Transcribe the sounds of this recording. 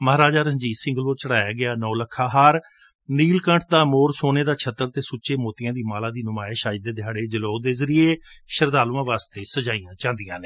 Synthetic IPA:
məɦaːɾaːd͡ʒaːɾəɲd͡ʒiːsɪ̃ŋɡəloːt͡ʃəɽaːjaːɡɪaːnɔ̃ːləkʰːaːɦaːɾ | niːlkə̃ɳʈʰd̪aːmoːɾsoːneːd̪aːt͡ʃʰət̪ːəɾt̪eːsʊːt͡ʃeːmoːt̪ɪjãːd̪iːmaːlaːd̪iːnʊmaːeːʃaːid̪eːd̪ɪjaːɽeːd͡ʒəloːd̪eːzəɾieːʃəɾd̪aːluãːʋaːst̪eːsəd͡ʒaːijãːt͡ʃãːnd̪ɪjãːneː

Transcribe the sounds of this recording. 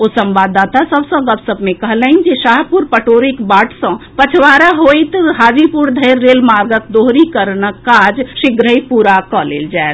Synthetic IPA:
osə̃mʋad̪at̪asəbsə̃ɡəbsəbʱmekəɦləind͡ʒeʃaɦpuɾpəʈoɾikbaʈʰsə̃pət͡ʃʰʋaɾaɦojt̪ɦaːd͡ʒipuɾd̪ʱəjɾːelmaɾɡət̪̚d̪oɦɾikəɾnəkːad͡ʒsiɡɾəjpuɾakɔlḛld͡ʒaet̪

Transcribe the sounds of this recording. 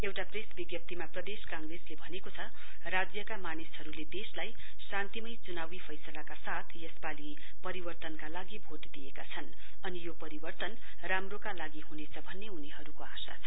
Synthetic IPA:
ewʈapresbiɡjʌp̚t̪imaprʌd̪eskãŋɡreslebʱʌnekot͡sʰʌ | rad͡zjʌkamanishʌɾuled̪eslaj | sãnt̪imʌjt͡sunawipʰʌjsʌlakasat̪ʰjʌspali | pʌɾibʌrt̪ʌnkalaɡibʱoʈd̪iekat͡sʰʌn | ʌnijopʌɾibʌrt̪ʌn | ramrokalaɡihunet͡sʰʌbʱʌnːeɦunihʌɾukoasa̰t͡sʰʌ

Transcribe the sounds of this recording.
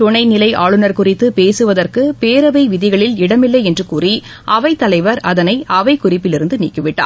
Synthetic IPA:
t̪ʊɳɐɪnɪlɐɪʔaːɭɯnɐɾkʊrɪt̪ːɯpeːsɯʋɐðɐrkɯpeːɾɐʋɐɪʋɪðɪɣɐɭɪlɪɽɐmɪlːɐɪɛndrɯkuːri | ʔɐʋɐɪt̪ːɐlɐɪʋɐɾɐðɐnɐɪʔɐʋɐɪkʊrɪpːɪlɪɾɯnd̪ɯnḭːkːɯʋɪʈːa̰ː

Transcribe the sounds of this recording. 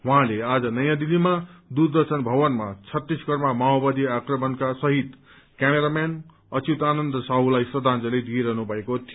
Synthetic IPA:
ɦũɦãlead͡zʌnʌjãd̪ilːimad̪urd̪ʌrsʌnbʱʌbʌnmat͡sʰʌt̪ːisɡʌrmamaobad̪iakrʌmʌnkasʌɦit̪ | kʲameɾamjan | ʌt͡sit̪anʌnd̪ʌsaɦulajsrʌd̪ʱãnd͡zʌled̪ieɾʌɦnubʱʌekot̪ʰi

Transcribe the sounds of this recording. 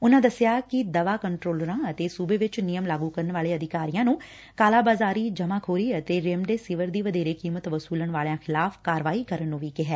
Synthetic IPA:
ʊnãːd̪əsɪjaːkɪd̪əʋaːkəɳʈɾoːləɾãːət̪eːsuːbeːʋɪt͡ʃnɪjəmlaːɡuːkəɾənʋaːleːəd̪ɪkaːɾijãːnũː | kaːlaːbaːzaːɾiːd͡ʒəmãːkʰoːɾiːət̪eːɾeːmɖeːsɪʋəɾd̪iːʋəd̪eːɾeːkiːmət̪ʋəsuːlənʋaːljãːkʰɪlaːfʰkaːɾʋaːiːkəɾənːũːʋiːkɪɦɛː

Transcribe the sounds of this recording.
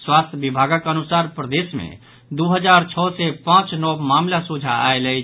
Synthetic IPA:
swaːst̪ʰbibʱaːɡakənʊsaːɾpɾəd̪eːsmḛ̃ | d̪uɦəd͡ʒaːɾt͡ʃʰɔːsepãːt͡ʃnɔmaːmlasud͡ʒʱaa̰elɛi

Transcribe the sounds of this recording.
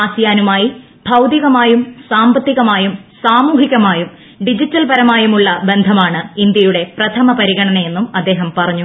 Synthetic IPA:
aːsjaːnumaːji | bʱɐwd̪iɣɐmaːjumsaːmbɐt̪ːiɣɐmaːjumsaːmuːɦiɣɐmaːjum | ɖid͡ʑitːɐlpɐɾɐmaːjumuɭːɐbe̞nd̪ʱɐmaːɳɨind̪jɐjuɽe̞prɐt̪ʰɐmɐpɐɾiɣɐɳɐnɐe̞nːumɐd̪ːe̞ːɦɐmpɐrɐɲːu

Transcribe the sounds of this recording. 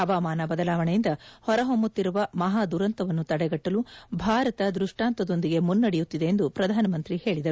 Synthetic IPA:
ɐʋaːmaːnɐbɐd̪ɐlaːʋɐɳejind̪ɐhɔɾɐɦomut̪ːiɾuʋɐmɐɦaːd̪uɾɐnt̪ɐʋɐnːut̪ɐɽɛɡɐʈːɐlubʱaːɾɐt̪ɐd̪ɾuʂʈaːnt̪ɐd̪o̞nd̪iɡe̞munːɐɽejut̪ːid̪e̞ːnd̪upɾɐd̪ʱaːnɐmɐnt̪ɾihe̞ːɭid̪ɐɾu

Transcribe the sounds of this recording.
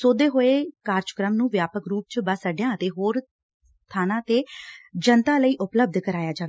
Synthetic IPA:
soːd̪eːɦoːeːkaːɾt͡ʃə̥kɾəmnũːʋjaːpəkɾuːp̚t͡ʃbəsəɖjãːət̪eːɦoːɾ | st̪ʰaːnãːt̪eːd͡ʒənt̪aːləiːʔʊpləb̚d̪kəɾaːjaːd͡ʒaːʋe

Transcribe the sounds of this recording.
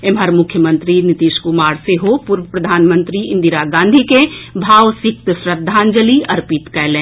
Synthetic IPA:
emɦəɾmʊkʰjəmə̃nt̪ɾinɪt̪iːʃkumaːɾseɦopuɾʋəpɾəd̪ʱaːnmə̃nt̪ɾiɪ̃nd̪iɾaɡãːnd̪ʱikebʱaːʋsɪk̚t̪sɾəd̪ʱːãːnd͡ʒəliɐɾpit̪kɛːlẽː

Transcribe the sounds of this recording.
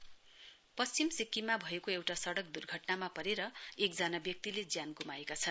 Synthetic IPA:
pʌst͡simsikːimːabʱʌekoewʈasʌɽʌk̚d̪urɡʱʌʈnamapʌɾeɾʌek̚d͡zanabjʌk̚t̪iled͡zjanɡumaekat͡sʰʌn

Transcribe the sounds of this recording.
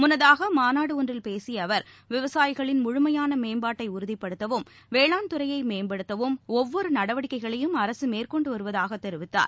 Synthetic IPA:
mʊnɐðaːɣɐmaːnaːɽɯɔndrɪlpeːsiɐʋɐɾ | ʋɪʋɐsaːjɪɣɐɭɪnmʊɻʊmɐjaːnɐmeːmbaːʈːɐɪʊɾɯðɪpːɐɽɯt̪ːɐʋɯm | ʋeːɭaːnt̪ɯɾɐjɐɪmeːmbɐɽɯt̪ːɐʋɯmɔʋːɔɾɯnɐɽɐʋɐɽɪkːɐɪɣɐɭɐjɯmɐɾɐsɯmeːrkɔɳɖɯʋɐɾɯʋɐðaːɣɐt̪ːɛɾɯʋɪt̪ːa̰ːɾ

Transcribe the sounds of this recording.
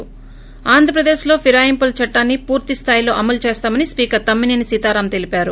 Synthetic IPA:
aːnd̪ʱɾɐpɾɐd̪e̞ːʃlo̞ːpʰiɾaːjimpɐlt͡ʃɐʈːaːnːipuːɾt̪ist̪ʰaːjilo̞ːʔɐmɐlt͡ʃe̞ːst̪aːmɐnispiːkɐɾt̪ɐmːininisit̪aːɾamt̪e̞lipaːɾu

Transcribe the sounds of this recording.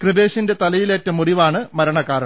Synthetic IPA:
krɨbe̞ːʂinde̞t̪ɐlɐjileːtːɐmuriʋaːɳɨmɐɾɐɳɐkːaːɾɐ

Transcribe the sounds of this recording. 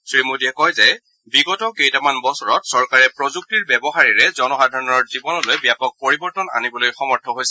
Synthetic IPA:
sɹimodiɛkɔjzɛ | biɡɔtɔkejtamanbɔsɔɹɔtsɔɹkaɹɛpɹɔzuk̚tiɹbɛbɔxaɹiɹɛzɔnɔxadʱɔɹɔnɔɹzibɔnɔlojbjapɔk̚poɹibɔɹtɔna̰nibɔlojxɔmɔɹtʰɔɦojsɛ

